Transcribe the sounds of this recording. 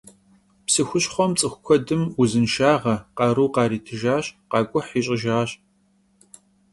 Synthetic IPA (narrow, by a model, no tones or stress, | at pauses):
psɨxʷʊɕχʷɔmt͡sʼɨxʷʊkʷʰɔdɨmuzɨnʃaːʁɐqɑɾuːqɑːɾiːtʰɨʒaːɕqɑːkʷʼʊħiːɕʼɪʒaːɕ